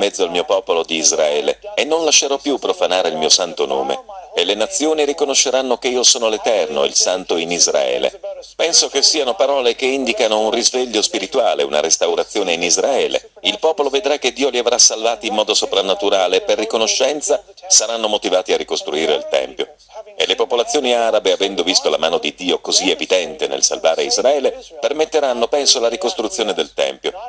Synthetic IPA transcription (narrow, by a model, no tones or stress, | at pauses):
mɛd̪zːoalmiːopɔːpolod̪iːzɾa̰ɛːlḛenːonlaʃːeɾɔpːjupːɾofanaːɾeilmiːosant̪ono̰ːmḛelenat̪sːjoːniɾikonoʃːeɾanːokeiːosoːnolet̪ɛrno̰ḭlsant̪oinizra̰ɛ̰ːlḛpɛnsokesːiːanopaɾɔːlekeind̪ikanounrizveʎːospiɾit̪uaːleṵna̰ɾest̪awɾat̪sːjoːneinizɾaɛːlḛ | ilpɔːpoloved̪ɾak̟ːed̪ːiːoliavɾasːalvaːt̪iːmːɔːd̪osopɾanːat̪uɾaːleːpːerːikonoʃːɛnt̪sasaɾanːomot̪ivaːt̪iarːikost̪ɾuiːɾḛḭlt̪ɛ̰mpjo̰ | elepopolat̪sːjoːniaːɾabeavɛnd̪ovist̪olamaːnod̪id̪iːokozievid̪ɛnt̪enḛlsa̰lvaːɾeizɾaɛːlepermet̪ːeɾanːopɛnsolaɾikost̪ɾut̪sːjoːned̪elt̪ɛ̰mpjo̰